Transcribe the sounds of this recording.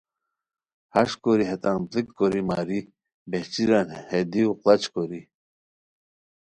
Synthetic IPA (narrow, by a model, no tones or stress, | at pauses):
haʃkoɾiɦet̪anplikːoɾimaːɾi | beht͡ɕiɾanhed̪iuqlat͡ɕkoɾi